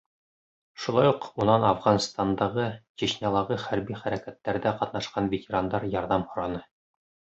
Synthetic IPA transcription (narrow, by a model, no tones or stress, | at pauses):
ʃulˠɑjuqunɑnɑfʁɑnst̪ɑnd̪ɑʁɤt͡ɕeɕnʲɑlˠɑʁɤχæɾbiχæɾækæt̪ːæɾðæqɑt̪nɑʃqɑnvʲetʲeɾand̪ɑɾjɑɾðɑmhŏɾɑnɤ